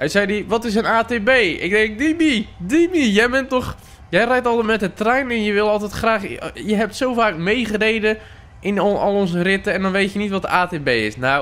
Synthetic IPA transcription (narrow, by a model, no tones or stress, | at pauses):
ɛnsɛjdiʋɔtɪs̬ənaːtebejɪ̰ɡ̚dɛŋk̚dimidimijɛjbɛntɔχ | jɛjrɛjtɔlˠtɛtmɛt̚ətrɛjnɪnjəʋɪlˠɔlˠtɛtχraːχjəɦɛp̚tsowfaːkmejχərejdə | ʔɪnɔlˠɔnzərɪtəɛndɔnʋejtjənitʋɔtdəaːteːbejɪ̰snaw